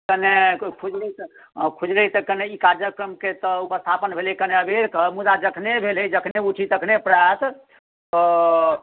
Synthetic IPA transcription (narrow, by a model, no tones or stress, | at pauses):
kənekʰud͡ʒlɛt̪ | kʰud͡ʒlət̪əkəneikaɾjəkɾəmket̪əupəst̪ʰapənbʱeleikəneəbeɾkəmud̪ad͡ʒəkʰnebʱelɦəd͡ʒəkʰneuʈʰit̪əkʰnepɾas | t̪ɔ